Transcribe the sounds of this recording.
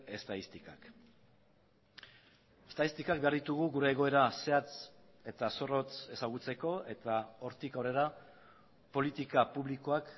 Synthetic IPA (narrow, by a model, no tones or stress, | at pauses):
e̞st̪aist̪ikak | est̪aist̪ikakbe̞aɾðit̪uɣ̞uɣuɾe̞ːɣo̞e̞ɾase̞at͡s | e̞t̪aso̞ro̞t͡se̞saɣ̞ut͡se̞ko̞e̞t̪ao̞ɾt̪ikawre̞ɾa | polit̪ikapuβliko̞ak